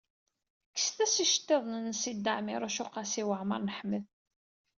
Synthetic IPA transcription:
kːə̥sθæsiʃə̥t̪ːeðˤnənsid̪ːəʕmɪɾˤæʃʊqɑsiwəʕmə̰ɾˤnəħməð

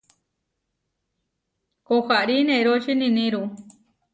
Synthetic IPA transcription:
koxaɾinẽɾot͡ʃinĩnĩɾu

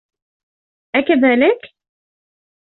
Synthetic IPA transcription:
ʔækæðælək

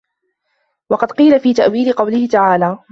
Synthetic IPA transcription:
wɑqɑd̪qiːlafiːt̪aʔwiːlɪqɑwlɪhɪt̪aʕaːlaː

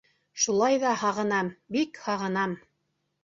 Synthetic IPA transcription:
ʃulˠɑjðɑhɑʁɤ̆nɑmbikhɑʁɤ̆nɑm

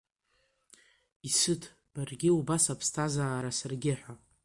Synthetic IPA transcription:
isɨtʰ | b̥arɡʲɪubasapʰstʰazaːɾasarɡʲɪħʷᶣa

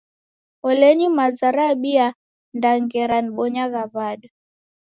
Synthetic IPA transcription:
ɔlɛɲimazaɾaɓia | ndaŋɡɛɾaniɓɔɲaɣaβaɗa

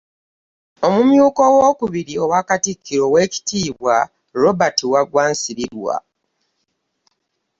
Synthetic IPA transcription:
o̞mumjuːko̞wo̞ːkuβiɾio̞wakatikʰːiɾo̞we̞ci̥tiːβwa | ɾo̞batiwaɡwaːnsiɾiɾwa̰

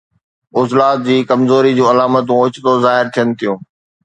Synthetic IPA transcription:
ʊzlaːt̪̚d͡ʑiːkɐmzoːɾid͡ʑũːɐlaːmət̪̬ũʊt͡ɕt̪ozaːɦɪɾt̪ʰijənɪ̆t̪ʰijũː

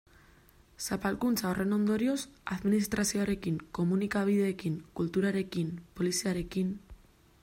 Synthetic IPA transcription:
sapalkunt͡saore̞no̞nd̪o̞ɾio̞saðminist̪ɾʔasio̞aɾe̞kiŋko̞munikaβ̞ið̞e̞ːkiŋkult̪uɾaɾe̞kimpo̞lisiaɾe̞kin

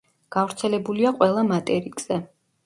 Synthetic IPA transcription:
ɡ̥afɾt̪sʰɛlɛbuliaqʼwɛlˠamat̪ʼɛɾikʼz̥ɛ

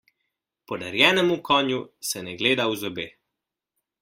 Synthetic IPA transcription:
pɔd̪aɾjɛːnɛmukɔːnjusɛnɛɡleːd̪awzɔbeː

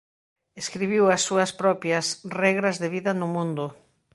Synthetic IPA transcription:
eskɾiβiwɐsːuɐspɾɔpjɐsrɛɣɾɐzðeβiðɐnʊmũnd̪ʊ

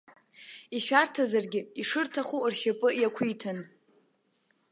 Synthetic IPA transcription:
iʃᶣartʰazarɡʲɪiʂɨrtʰaχurʃapʼɨjakʷʰijtʰɨn

